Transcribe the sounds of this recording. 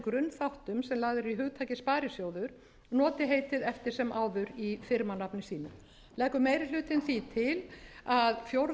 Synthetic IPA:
kɾʏnːθawht̪ʏmsɛmlaːɣðɪɾɾiɦʏɣt̪ʰaːjcɪspaːɾɪsjowðʏɾ̥ | nɔːt̪ɪɦeːjt̪ɪðɛft̪ɪɾ̥sɛmʔaːwðʏɾifɪɾmanapnɪsiːnʏ̰ | lɛːhkʏmeːjɾɪl̥ʏːt̪ɪnθit̪ʰɪlaðfjowɾ

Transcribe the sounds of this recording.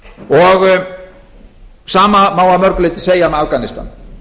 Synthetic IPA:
ɔɣ | saːmamaːwamœɾkleːt̪ɪ̥seːjamɛafkanɪst̪a̰n

